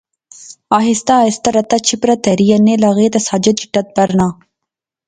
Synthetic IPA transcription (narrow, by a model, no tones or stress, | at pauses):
aːɦist̪aist̪ɐɾɐt̪ɐt͡ʃʰipɾɐt̪ɛɾijɐnːelaɣeːt̪ɐsaːd͡ʒɐt̪̚t͡ʃi̥ʈɐt̪̚bɐɾnaː